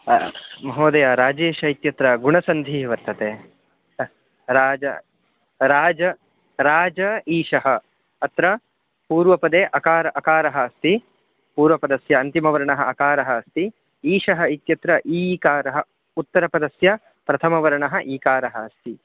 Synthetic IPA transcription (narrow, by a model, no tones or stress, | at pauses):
mɐɦoːd̪ɐjaɾaːd͡ʒeːʃɐit̪jɐt̪ɾɐɡuɳɐsɐnd̪ʱiːʋɐɾt̪ɐt̪eː | ɾaːd͡ʒɐ | ɾaːd͡ʒɐ | ɾaːd͡ʒɐiːʂɐɦɐ | ɐt̪ɾɐ | puːɾʋɐpɐd̪eːʔɐkaːɾɐʔɐkaːɾɐɦɐːst̪i | puːɾʋɐpɐd̪ɐsjɐːnt̪imɐʋɐɾɐɳɐɦɐɐkaːɾɐɦɐːst̪i | iːʂɐɦɐit̪jɐt̪ɾɐʔiːkaːɾɐɦɐ | ut̪ːɐɾɐpɐd̪ɐsjɐ | pɾɐt̪ʰɐmɐʋɐɾɐɳɐɦɐ̆ʔiːkaːɾɐɦɐːst̪i